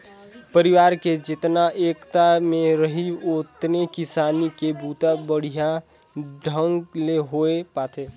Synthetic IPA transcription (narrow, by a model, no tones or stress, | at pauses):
pəɾɪʋaːɾked͡ʒɪt̪naʔeːkt̪amẽɾəɦiot̪nekɪsaːnikebʱuːt̪abəɽ̤ijã | ɖʱə̃ŋɡleɦoepaːt̪ʰeː